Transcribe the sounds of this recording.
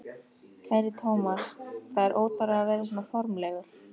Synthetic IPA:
kʰɛɾit̪ʰowmasθaðɛɾʔoːwt̪aɾaavɛːɾɪs̬ɔːnafɔɾmlɛɣʏɾ̥

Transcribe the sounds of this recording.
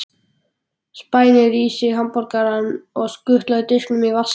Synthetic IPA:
spaːjnɪɾiːsɪɦampɔɾkaɾanɔɣskʏht̪lœðʏt̪ɪhklʏmivas

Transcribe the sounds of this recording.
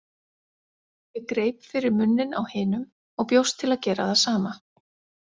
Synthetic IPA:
jɛɣkɾeːjpfɪɾɪɾmʏnːɪnawhɪːnʏm | ɔɣpjowst̪ʰːɪlaðcɛːɾaðasaːma

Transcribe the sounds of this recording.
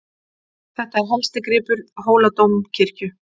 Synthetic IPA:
θɛht̪aɛɾɦɔmst̪akɾɪːpʏɾɦoːwlat̪owmcʰɪr̥cʏ

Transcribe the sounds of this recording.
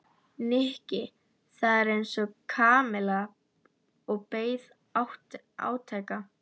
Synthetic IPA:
nɪhcɪ | θaðɛɾejnsɔkʰaːmɪla | ɔɣpeːjð | awht̪ | a̰ːwt̪ʰajka

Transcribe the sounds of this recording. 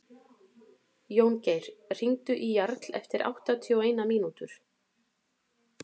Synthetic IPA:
joːwncejɾ̥r̥iŋt̪ʏʔijaɾt̪lɛ̰ft̪ɪɾa̰wht̪at̪ʰiɔeːjnamiːnut̪ʏɾ̥

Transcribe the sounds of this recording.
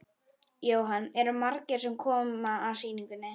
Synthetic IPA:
joːwɦanɛɾʏmaɾcɪɾ̥sɛmkʰɔːmaːsiːniŋkʏnːɪ

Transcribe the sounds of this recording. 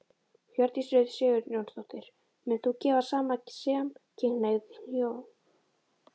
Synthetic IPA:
hjœɾt̪isɾʏːðsɛːɣʏɾnjownsθowt̪ɪɾ̥ | mɛnθucɛːvasaːmacsɛːamcʰɪnːajɣðɪnion

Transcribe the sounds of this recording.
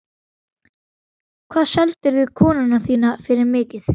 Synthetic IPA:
kʰvaːðsɛlt̪ɪɾðʏkʰɔːnanaθiːnafɪɾɪɾmɪːcɪθ

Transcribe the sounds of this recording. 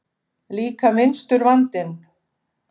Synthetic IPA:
liːkamɪnst̪ʏɾvant̪ɪn

